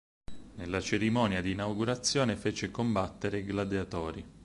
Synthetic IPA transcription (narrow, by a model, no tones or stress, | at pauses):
nelːat͡ʃeɾimɔːnjad̪iːnawɡuɾat̪sːjɔːnefeːt͡ʃekombat̪ːeɾeɡlad̪eat̪ɔːɾi